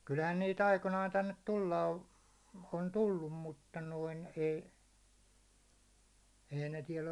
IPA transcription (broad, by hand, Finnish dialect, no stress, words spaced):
kylhæn niːt ɑikonɑːn tænːet tulːɑ o on tulːum mutːɑ noin ei ei ne tiɛl